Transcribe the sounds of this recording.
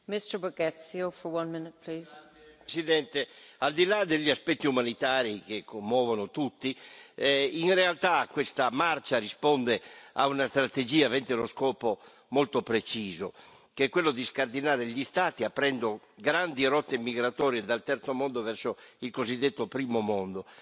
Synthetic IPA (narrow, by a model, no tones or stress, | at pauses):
mɪstə˞bəɡɛtsiofə˞wʌ̃nmɪnɪt̚pʰliːz̥ | sid̪ɛnt̪eald̪ilad̪eʎːiaspɛt̪ːiumanit̪aːɾikekʰːomːɔːvonot̪ut̪ːi | inrealt̪akwest̪amart͡ʃarispɔnd̪ea̰unast̪ɾat̪ed͡ʒiːavɛnt̪eloskɔːpo | molt̪opɾet͡ʃiːzo | keɛkːwelːod̪iskard̪inaːɾeʎist̪aːt̪iapːɾɛnd̪o | ɡɾand̪iɾɔt̪ːemiɡɾat̪ɔːɾjed̪alt̪ɛrt̪somɔnd̪ovɛɾsoilkozid̪ːet̪ːopɾiːmomɔnd̪o